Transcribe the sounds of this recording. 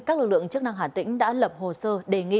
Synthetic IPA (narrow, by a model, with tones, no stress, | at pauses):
kaː˦˥k̚lɨ˨˩k̚lɨ̰˧˨əŋt͡ɕɨ˦˥ək̚na˧ŋɦaː˨˩nt̪ḭ˧˥ŋ̟ɗa̰ː˧˥lə˨˩p̚ho˨˩səː˧ɗe˧˩ŋḭ˧˨